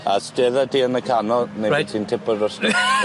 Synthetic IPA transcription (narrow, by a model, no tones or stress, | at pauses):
a̰steðadiːənəkʰanɔneitʰiːntʰɪpɔdɔs